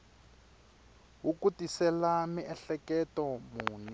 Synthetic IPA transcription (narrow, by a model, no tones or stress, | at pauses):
wukutisɛlamiɛɬɛkɛtɔmuːnɛ